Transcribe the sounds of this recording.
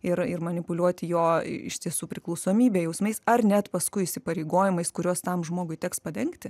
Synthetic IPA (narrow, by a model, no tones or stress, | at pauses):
ɪrɪrmɐnʲɪpʊlʲuɔt̪ʲɪjo̰ːɪ̰ʃʲt̪ʲiɛsuːpʲɾʲɪklˠɐʊsoːmʲiːbʲeːjɛʊsmɐɪsɐrnʲɛt̪pɐskʊɪɪsʲɪpɐɾʲɛɪɡoːjɪmɐɪskʊɾʲoɔst̪ɐmʒmoːɡʊɪtʲɛkspɐd̪ʲɛŋkt̪ʲɪ